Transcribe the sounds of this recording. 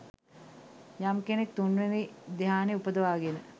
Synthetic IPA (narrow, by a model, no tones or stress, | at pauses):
jamkenek̚t̪unːʋenid̪eɦaːneupəd̪əʋaːɡenə